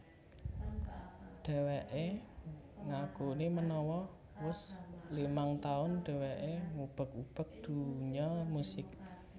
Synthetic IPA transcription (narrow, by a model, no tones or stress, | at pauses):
ɖ̥ɛ̤weʔe | ŋakonemənɔwɔ | wəslimaŋt̪aʊnɖ̥ɛ̤weʔemub̥ə̤k̚ub̥ə̤k̚d̪̥ṳɲɔmusɪk̚